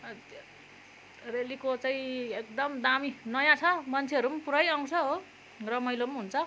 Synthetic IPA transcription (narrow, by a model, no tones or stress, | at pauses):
relikot͡saĩek̚d̪ʌmd̪aminʌjãt͡sʰʌmʌnt͡sʰeʌɾumpuɾʌjaw̃t͡sʰʌɦo | rʌmʌjlomɦunt͡sʰʌ